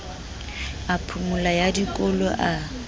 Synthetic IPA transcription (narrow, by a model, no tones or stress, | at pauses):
apʰumʊlajadikʼɔlɔʔa